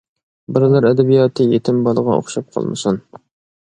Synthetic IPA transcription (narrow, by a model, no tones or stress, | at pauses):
bɪɾlˠæɾɛd̪ɛbijɑːt̪ʰɨjet̪ʰɪmbɑlˠəʁɑ̰o̰χʃɑp̚qʰɑ̰lˠmɨsun